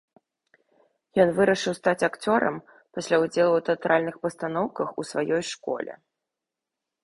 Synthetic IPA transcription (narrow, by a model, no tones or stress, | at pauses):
jɔnvɨɾɐʂɨwst̪at͡sʲakt͡sʲɔɾɐ̰m | pasʲlʲaud͡zʲɛlˠuwt̪ɛat̪ɾalʲnɨxpɐst̪an̪ɔwkɐxusvajɔjʂkɔ̰lʲɛ̰